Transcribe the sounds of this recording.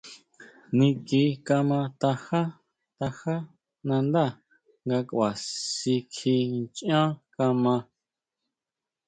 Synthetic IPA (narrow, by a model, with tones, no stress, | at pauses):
nĩ˧ki˨˧˦ka˧mã˧t̪a˧ha˦ | t̪a˧xa˦ | nã˧nd̪a˦˨ | ŋɡa˧ka˨si˧kʰi˧t͡ʃʔã˦ka˧mã˧